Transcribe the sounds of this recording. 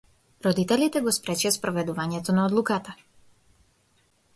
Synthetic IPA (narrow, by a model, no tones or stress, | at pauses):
ɾɔd̪it̪ɛlit̪ɛɡɔspɾɛt͡ʃiaspɾɔvɛd̪uvaɲɛt̪ɔnaɔd̪lˠukat̪a